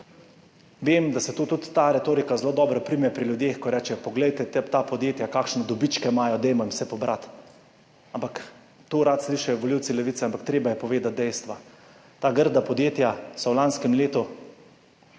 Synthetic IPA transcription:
ʋeːmd̪asɛt̪uːt̪ut̪ːaːɾɛt̪oːɾikazloːd̪ɔːbɾɔpɾimjɛpɾilʲjud̪jeːxkɔɾɛːt͡ʃɛpɔɡlɛjt̪ɛt̪ɛt̪apɔd̪jeːt̪jakaːkʃnɛd̪ɔbit͡ʃkɛmaːjɔd̪ɛjmɔɛmsɛpɔbɾʔat̪ | ampak | t̪oːɾat̪sliːʃajɔʋɔliwt̪silɛʋit̪sɛampakt̪ɾeːbajɛpɔʋeːd̪at̪̚d̪ɛjst̪ʋa | t̪aːɡəɾd̪apɔd̪jeːt̪jasɔwlanskɛmleːt̪u

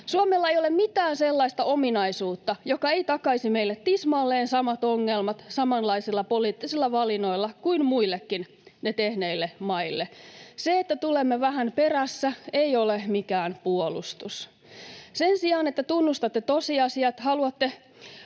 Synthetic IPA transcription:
suomelːɑejolemmit̪æːnselːɑist̪ɑominɑisuːt̪ːɑjokɑe̞ijt̪ɑkɑisimeilːet̪ːismɑːlːeːnsɑmɑt̪oŋːelmɑt̪sɑmɑnlɑisilːɑpoliːt̪ːisilːɑʋɑlinoilːɑkuinmuilːekːin | net̪ehneilːemɑilːeseet̪ːæt̪ulemːeʋæɦænperæsːæejolemikæːnpuolṵst̪us | sensiɑːnet̪ːæt̪unːust̪ɑt̪ːet̪osiɑsiɑt̪hɑluɑt̪ːe

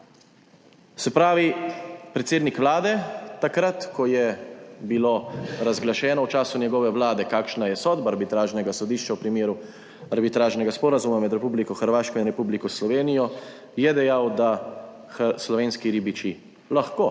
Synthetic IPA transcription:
sɛpɾaːʋipɾɛt̪seːd̪nikʋlaːd̪ɛt̪akɾat̪kɔjɛbiloːɾazɡlaʃɛːnɔwt͡ʃaːsunjɛɡɔːʋɛʋlaːd̪ɛkaːkʃnajɛsɔːd̪baːɾbit̪ɾaːʒnɛɡasɔd̪iːʃt͡ʃawpɾimeːɾu | aɾbit̪ɾaːʒnɛɡaspɔːɾazumamɛd̪ɾɛpublikɔxəɾʋaːʃkɔinɾɛpublikɔslɔʋeːnijɔ | jɛd̪ɛjawd̪a | slɔʋeːnskiɾiːbit͡ʃi | laxkoː

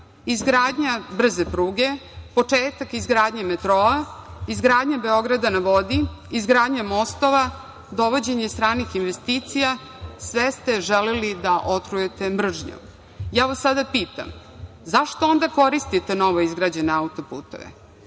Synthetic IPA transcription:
izɡɾaːd̪ɲabr̩zepɾuːɡe̞po̞t͡ʂeːt̪akizɡɾaːd̪ɲamet̪ɾoaizɡɾaːd̪ɲabe̞o̞ɡɾad̪anaʋod̪iizɡɾaːd̪ɲamost̪oʋa | d̪o̞ʋod͡ʑe̞ɲest̪ɾaːnixinʋest̪iːt̪sija | sʋest̪e̞ʒelelid̪aʔot̪ɾujet̪e̞mr̩ʐɲo̰ | jaːʋasːad̪apiːt̪a̰m | zaʃt̪oond̪ako̞ɾist̪it̪enoʋoizɡɾaːd͡ʑeneaut̪o̞pṵːt̪o̞̰ʋḛ

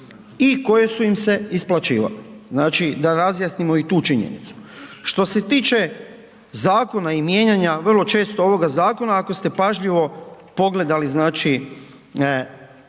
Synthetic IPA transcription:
iko̞je̞suimse̞isplˠat͡ʃiːʋa̰liznaːt͡ʃid̪aɾazjasnimo̞it̪uːt͡ʃiɲḛnḭt̪su̥ʃt̪o̞se̞t̪iːt͡ʃe̞ | zaːko̞naimje̞ːɲaɲaʋr̩lˠo̞t͡ʃe̞ːst̪ooʋo̞ɡazaːko̞naːko̞st̪e̞paʒʎiʋo̞ | po̞ɡle̞d̪aliznaːt͡ʃi

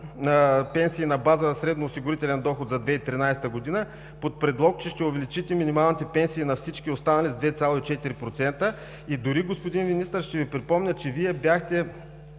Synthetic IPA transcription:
nəpɛnsiːnɐbazənɐsɾɛd̪noːsiɡʊɾit̪ɛlɛnd̪ɔxot̪zɐd̪vɛit̪ɾinajst̪əɡod̪inə | pot̪̚pɾɛd̪lˠɔkt͡ʃɛʃt̪ɛʊvɛlit͡ʃit̪ɛminimalˠnit̪ɛpɛnsiːnɐfsit͡ʃkʲiost̪anɐlʲizd̪vɛt̪sʲalˠoit͡ʃɛt̪iɾipɾot̪sɛnt̪ə | id̪ʊɾiɡospod̪invinist̪əɾʃt̪ɛvipɾipɔmnʲət͡ʃɛviɛbʲjaxt̪ɛ

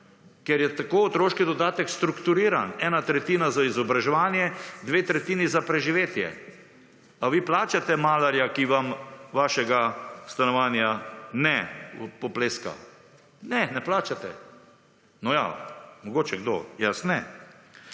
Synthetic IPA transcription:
kɛɾjɛt̪akoːɔt̪ɾoːʃkid̪ɔd̪aːt̪ɛkst̪ɾukt̪uɾiːɾa̰nɛːnat̪ɾɛt̪iːnazaizɔbɾaʒɛʋaːnjɛd̪ʋeːt̪ɾɛt̪iːnizapɾɛʒiʋeːt̪jɛ̰ | aʋiːplaːt͡ʃat̪ɛmaːlaɾjakiʋamʋaːʃɛɡast̪anɔʋaːnjanɛpɔpleːska̰ | nɛnɛplaːt͡ʃat̪ɛ̰ | nɔja̰mɔɡoːt͡ʃɛɡd̪o̰jasnɛ

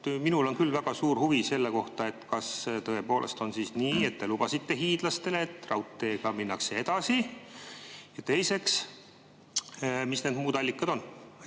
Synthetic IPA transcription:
minulo̞nkylvæɡ̥ɑsuːrhuvise̞lːe̞ko̞ht̪ɑe̞t̪ːˑkɑst̪ɤe̞po̞ːlʔe̞̰st̪o̞nsisniːe̞t̪̚ːelubɑsit̪ːe̞ɦiːd̪̥lɑst̪e̞leːt̪ːˑrɑwt̪ːˑe̞ːɡ̥ɑminːɑksee̞d̪̥ɑsi | jɑt̪e̞jse̞ks | misned̪muːd̪̥ɑlʲːikːˑɑd̪̥o̞nː

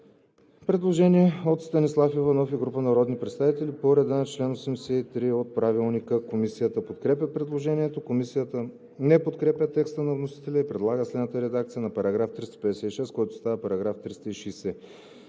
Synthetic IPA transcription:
pɾɛd̪lˠoʒɛniɛot̪st̪ɐnislˠafivɐnɔfiɡɾupənɐɾɔd̪nipɾɛt̪st̪avit̪ɛlipoɾɛd̪anɐt͡ʃlɛnosɛmd̪ɛsɛit̪ɾiot̪̚pɾavilˠnikəkomisijət̪əpot̪kɾɛpʲjəpɾɛd̪lˠoʒɛniɛt̪okomisijət̪ə | nɛpot̪kɾɛpʲjət̪ɛkst̪ənɐvnosi̥t̪ɛlʲəipɾɛd̪lˠaɡəslɛd̪nət̪əɾɛd̪akt̪sijənɐpɐɾɐɡɾaft̪ɾist̪ə̥pɛd̪ɛsɛiʃɛskɔjt̪o̥st̪avəpɐɾɐɡɾaft̪ɾist̪əiʃisɛ

